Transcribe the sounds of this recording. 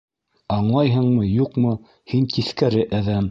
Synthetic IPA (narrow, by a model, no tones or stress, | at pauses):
ɑɴlˠɑjɦɤ̆ɴmɤjuqmɤ | hint̪iθkæɾɘʔæðæm